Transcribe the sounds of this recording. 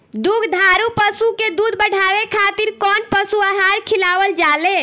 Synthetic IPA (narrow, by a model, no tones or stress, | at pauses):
d̪uɡʱd̪ʱaɾupəsuked̪ud̪̚bəɽ̤aʋekʰat̪iɾkɔnpəsuaɦaɾkʰilaʋəld͡ʒale